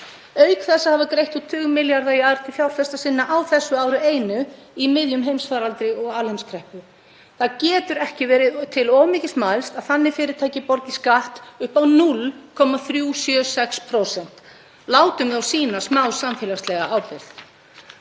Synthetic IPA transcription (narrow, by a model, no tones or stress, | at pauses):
œːɥkθɛsːahavakɾejht̪ut̪ʰːʏːɣʏmːɪljaɾðaiaɾt̪ʰɪlθjawɾ̥fɛst̪asɪnːaʔawθɛsːʏaːwɾʏeːjnʏ | imɪðjʏmɦejmsfaːɾalt̪ɾɪɔɣaːlhejmskʰɾɛhpʏ | θaðcɛːt̪ʏɾɛhcɪvɛːɾɪðt̪ʰɪlɔːmɪːcɪsmajlst̪aðθanːɪfɪːɾɪɾt̪ʰaːjcɪpɔɾcɪskaht̪ʏhpawnʊlkʰɔmaθɾjuːsjœːsɛkspʰɾowsɛn̥t̪ | laːwt̪ʏmðawsiːnasmaːwsamfɪːlaslɛɣaaːwpɪɾθ